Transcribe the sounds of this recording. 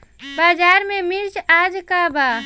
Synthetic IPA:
baːd͡ʒaːɾmẽmɪɾt͡ʃaːd͡ʒkabaː

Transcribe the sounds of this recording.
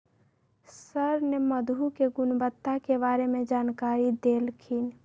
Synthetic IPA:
səɾneməd̪ʱukeɡʊnbət̪ːakebaːɾemẽd͡ʒaːnkaːɾid̪elkʰin

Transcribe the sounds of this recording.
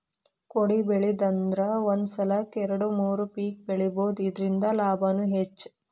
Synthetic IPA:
koɽibeɭid̪ɐnd̪ɾɐond̪sɐlɐkɛɾɐɽumuːɾupiːk̚beɭiboːd̪uid̪ɾind̪ɐlaːbʱɐnuɦet͡ʃː

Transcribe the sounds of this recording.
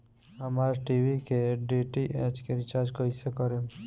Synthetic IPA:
ɦəmaːɾʈiʋikeɖiʈiʔɛd͡ʒkeɾɪt͡ʃaɾd͡ʒkoisekɔɾe

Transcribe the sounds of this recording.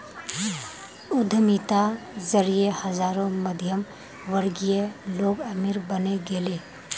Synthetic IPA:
ʊd̪ʱəmit̪azəɾijehəzaːɾõməd̪ʱjəm | ʋəɾɡijeloːɡəmiɾbəneɡeːleː

